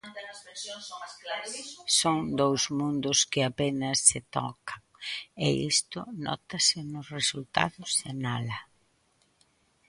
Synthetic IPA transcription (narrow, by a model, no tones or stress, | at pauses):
ɐsesjosasoŋd̪owzmũnd̪ʊskɪapenɐsːɪt̪ɔ̰kaŋɪḭst̪ʊnɔ̰t̪ɐsɪnʊsresult̪a̰ðʊsenalɐ